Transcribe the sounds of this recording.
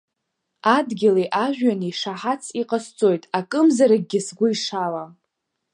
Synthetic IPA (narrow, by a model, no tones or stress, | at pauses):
adɡʲɪliʔaʒᶣɥaniiʂaħat͡sʰiqʼast͡sʼo̞jtʼakʼɨmzaɾaɡ̚ʲɡʲɪsɡʷʊiʂala